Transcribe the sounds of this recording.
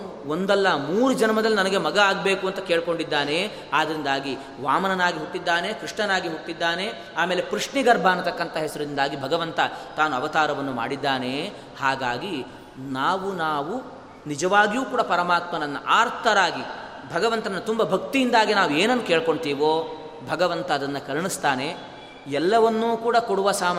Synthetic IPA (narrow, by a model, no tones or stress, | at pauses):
ond̪ɛlːɐmuːɾud͡ʒɐnɐmɐd̪ɐlːinɐnɐɡe̞mɐɡɐaːɡbe̞ːkuɐnt̪ɐke̞ːɭkoɳɖid̪ːaːne̞ | aːd̪ɐɾind̪aːɡi | ʋaːmɐnɐnaːɡiɦukːid̪ːaːne̞kɾiʂɳɐnaːɡiɦukːid̪ːaːne̞ | aːme̞ːle̞pɾuʂɳiɡɐɾbʱaːnɐt̪ɐkːɐnt̪ɐɦɛsɐɾɐind̪aːɡibʱɐɡɐʋɐnt̪ɐt̪aːnuɐʋɐt̪aːɾɐʋɐnːuma̰ːɽid̪ːaːne̞ | haːɡaːɡi | naːʋunaːʋu | nid͡ʒɐʋaːɡjuːkuːɽɐpɐɾɐmaːt̪mɐnɐnːɐʔaːɾt̪ʰɐɾaːɡi | bʱɐɡɐʋɐnt̪ɐnːɐt̪umbɐbʱɐkt̪ijind̪aːɡinaːʋueːnɐnːuke̞ːɭko̞ɳɖt̪iːʋoː | bʱɐɡɐʋɐnt̪ɐːd̪ɐnːɐkɐlɳist̪aːne̞ | ɛlːɐʋɐnːuːkuːɽɐkoɽuʋɐsaːm